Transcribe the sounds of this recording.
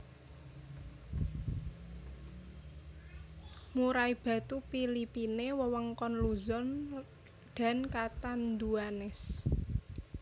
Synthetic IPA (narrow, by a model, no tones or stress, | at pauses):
muɾaib̥a̤t̪upilipinewəwɔŋkɔnluzɔn | ɖ̥a̤nkat̪and̪uanɛs